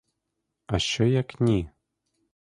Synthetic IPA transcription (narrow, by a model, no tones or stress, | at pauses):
aɕɔjaknʲi